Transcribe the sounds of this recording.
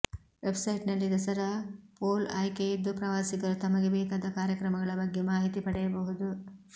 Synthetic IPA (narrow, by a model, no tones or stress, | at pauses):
ʋe̞bsɐjʈnɐlːid̪ɐsɐɾɐpoːla̰ːjkejid̪ːupɾɐʋaːsiɡɐɾut̪ɐmɐɡebɛːkaːd̪ɐkaːɾjɐkɾɐmɐɡɐɭɐbɐɡːemaːɦit̪ipɐɽɛjɐbɐɦud̪u